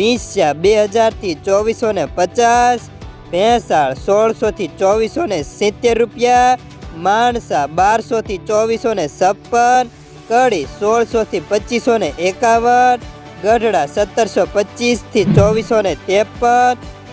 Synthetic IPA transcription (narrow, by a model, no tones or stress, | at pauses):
ʋĩsabeɦəd͡ʒaɾt̪ʰit͡ʃɔʋisonepət͡ʃas | bʱɛ̃saɭsɔɭsot̪ʰit͡ʃɔʋisonesɪ̃t̪ːeɾːupja | maɳsabaɾsot̪ʰit͡ʃɔʋisonesəpːən | kəɽisɔɭsot̪ʰipət͡ʃːisoneʔekaʋən | ɡəɖʱɽasət̪ːəɾsopət͡ʃist̪ʰit͡ʃɔʋisonet̪epːən